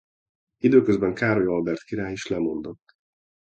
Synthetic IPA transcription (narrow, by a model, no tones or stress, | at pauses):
id̪øːkøzbɛŋkaːɾojɒlbɛrt̪kiɾaːjiʃlɛmo̞nd̪o̞t̪ː